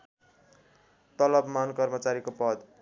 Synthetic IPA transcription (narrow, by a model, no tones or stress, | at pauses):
t̪ʌlʌbmankʌrmʌt͡saɾikopʌd̪